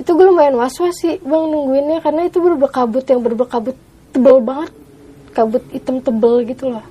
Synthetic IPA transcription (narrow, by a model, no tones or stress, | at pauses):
it̪uɡulamajanwaswasɪhbaŋnəŋɡuɪnɲakaɾənait̪ubəɾubəkabʊt̪jaŋbəɾubəkabʊt̪ːəbəlbaŋət̪̚ | kabʊt̪̚it̪əmt̪əbəlɡit̪ulah